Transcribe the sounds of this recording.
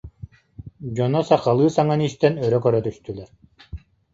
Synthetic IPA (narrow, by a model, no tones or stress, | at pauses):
d͡ʑɔnɔsaqalˠɯːsaŋaniːst̪ɛnœɾœkœɾœt̪yst̪ylɛɾ